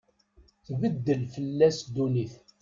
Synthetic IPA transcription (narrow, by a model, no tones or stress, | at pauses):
θbəd̪ːəlfəlːæsd̪uniθ